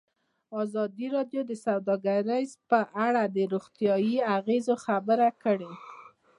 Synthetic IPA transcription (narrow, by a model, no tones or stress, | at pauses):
ɑzɑd̪iɾɑd̪jod̪əsawd̪ɑɡaɾajzpəʔaɽad̪əɾuɣt̪jɑjiaɣezoxabəɾakəɽe